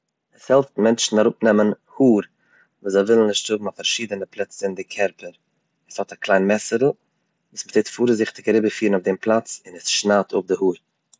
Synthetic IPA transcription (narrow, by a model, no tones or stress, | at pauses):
ɛshɛlˠftmɛnt͡ʃn̩aɾʊpnɛmən | huːɾ | vuːzaɪvɪlˠn̩ɪʃtz̥ʊbm̩afaɾʃiːdənəplˠɛt͡səɪndɪkʰɛɾpəɾ | ɛshɔtaklˠaɪnmɛsəɾl̩ˠ | viːsməteːtfuːɾzɪχtɪkaɾɪbəfiːɾnʊfdɪmplˠat͡sɪnɛsʃnaːtʰʊp̚dɪhuːɾ